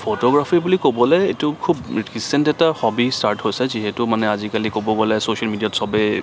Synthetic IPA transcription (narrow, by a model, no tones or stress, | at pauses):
pʰotɔɡɹapʰibulikobɔlɛetʊkʰubkisɛntɛtahɔbistaɹthojsɛziɦɛtʊmanɛazikalikobɔɡɔlɛsosialmidijatsɔbɛ